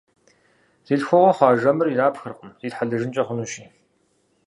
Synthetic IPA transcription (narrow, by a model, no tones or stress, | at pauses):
z̥iːɮxʷɔʁʷɔχʷɑːʒɐmɨriraːpxɐrqʼʊmziːtħaɮɨʒɪnt͡ʃʼɐχʷʊnuːʃiː